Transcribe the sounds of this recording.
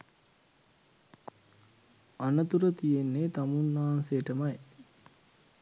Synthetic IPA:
anət̪uɾət̪ijenːet̪amunːaɦansejəʈəmaj

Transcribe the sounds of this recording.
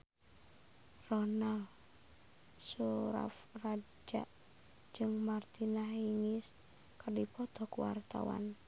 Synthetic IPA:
rɔnal | suɾa̰frad͡ʒa̰ʔ | d͡ʒɨŋmart̪inaɦiŋɪs | kərdipɔd̪̥ɔ̤kuwa̰rt̪a̰wa̰n

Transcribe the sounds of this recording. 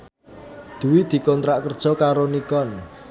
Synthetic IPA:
d̪̥ṳwid̪̥i̤kɔnt̪ɾaʔkərd̥ʒ̥ɔ̤kaɾonikɔn

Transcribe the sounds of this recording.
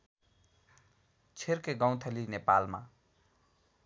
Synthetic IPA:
t͡sʰerkeɡʌ̃w̃t̪ʰelinepalma̰

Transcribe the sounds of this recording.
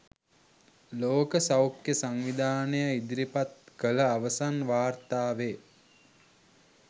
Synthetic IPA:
loːkəsawkjəsaŋʋid̪ʱaːnəjaid̪iɾipat̪̚kələaʋəsanʋaːrt̪aːʋe

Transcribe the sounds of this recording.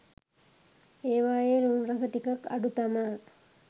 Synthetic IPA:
eːʋaːjeːɾunɾɐsəʈikɐka̰ɖut̪amə

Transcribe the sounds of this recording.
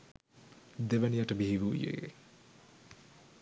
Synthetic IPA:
d̪eʋɐnijaʈəbiɦiʋuːjḛː

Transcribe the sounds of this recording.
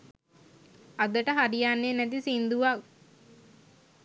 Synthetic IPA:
ad̪əʈəɦaɾijanːenæt̪isind̪uʋak

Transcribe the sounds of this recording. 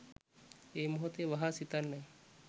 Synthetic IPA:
emuɦot̪eʋɐɦasit̪anːɐj

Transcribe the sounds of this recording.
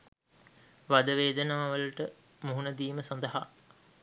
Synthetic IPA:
ʋad̪əʋeːd̪ənaːʋəlʈə | muɦunəd̪iːməsɐnd̪əɦa̰

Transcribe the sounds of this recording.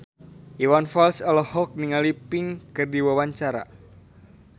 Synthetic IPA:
ʔiwanfalsɔlɔhɔk̚niŋalipɪŋkɨrdiwawaɲt͡ʃaɾa̰

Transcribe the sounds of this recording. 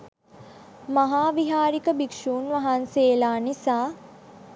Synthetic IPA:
maɦaːʋiɦaːɾikəbikʂuːnʋaɦanseːlaːnisaː

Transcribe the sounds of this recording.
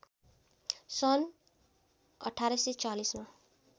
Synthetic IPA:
sʌn | ʌ̰ʈʰaɾʌsit͡salisma

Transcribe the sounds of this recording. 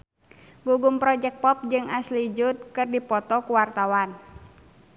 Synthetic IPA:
ɡuɡumpɾɔd͡ʒɛk̚pɔp̚d͡ʒɨŋaslid͡ʒʊt̪̚kɨrdipɔt̪ɔkuwart̪awan

